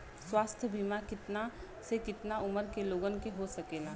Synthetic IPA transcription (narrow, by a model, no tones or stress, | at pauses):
swaːst̪ʰjəbʱimakɪt̪na | sekɪt̪naʊməɾkeloːɡənkeɦosɐkeːlaː